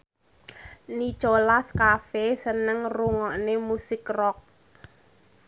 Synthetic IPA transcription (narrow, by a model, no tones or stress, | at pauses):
ni̥ʒ̥olaskafesənəŋruŋɔʔnemusɪkrɔk̚